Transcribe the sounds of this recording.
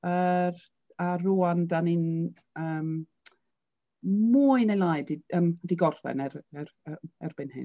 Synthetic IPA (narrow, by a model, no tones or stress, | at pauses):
ər | aruːandanin | əːm | muːɨnejlˠajdiəːmdiɡɔr̥θɛ̰nɛɾɛɾɛɛ̰rb̥ɪnhɨ̰n